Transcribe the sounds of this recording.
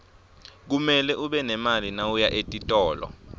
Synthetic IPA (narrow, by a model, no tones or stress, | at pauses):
k̬umɛlɛʔuɓɛnɛmalinaujaʔetʼitʼɔːlɔ̰